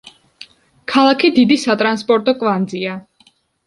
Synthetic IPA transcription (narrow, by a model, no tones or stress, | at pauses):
kʰalˠakʰid̪id̪isat̪ʼɾanspʼɔɾt̪ʼɔkʼvand̪zia